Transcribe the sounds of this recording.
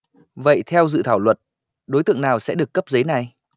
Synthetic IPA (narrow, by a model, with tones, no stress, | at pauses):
və̰˧˨jt̪ʰɛ˧wzɨ̰˧˨t̪ʰaː˧˩wlwə˨˩t̚ | ɗo˨˦jt̪ɨ̰˧˨əŋnaː˨˩wsɛ̰˧˥ɗɨ˨˩əkːə˦˥p̚zə˨˦jna˨˩j